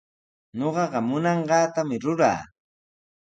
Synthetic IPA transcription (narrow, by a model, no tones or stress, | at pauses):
ɲoɢɑɢɑmʊnɑɴɢɑːt̪amɪɾʊɾa̰ː